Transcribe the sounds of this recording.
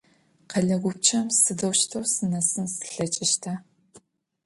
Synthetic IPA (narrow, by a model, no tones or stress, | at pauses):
qɐɮɐɡʷʊp̚t͡ʃʰɐmsɨdɐwʃtʰɐwsɨnɐsɨnsɨ̥ɬɐt͡ʃʼɪʃtʰa